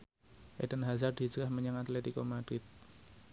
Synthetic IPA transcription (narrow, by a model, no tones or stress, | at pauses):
ʔḛdənɦazard̪id͡ʒəɡahməɲaŋat̪let̪ikomad̥ɾɪt̪̚